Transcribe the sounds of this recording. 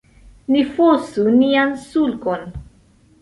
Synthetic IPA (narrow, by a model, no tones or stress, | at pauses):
nifosuniansulkon